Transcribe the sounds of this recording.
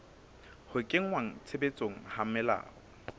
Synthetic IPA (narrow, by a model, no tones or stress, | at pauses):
hʊkʼeŋ̩waŋ̩t͡sʰebet͡sʼoŋ̩hamɛla̰ːɔ